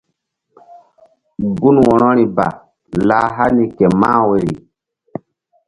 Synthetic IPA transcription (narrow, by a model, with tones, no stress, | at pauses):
ɡu˦nwɔ˨ɾɔ˦ɾi˨ba̰˨ | la˨˦ɦa˦ni˨kɛ˨ma̰˦we˨ɾḭ˨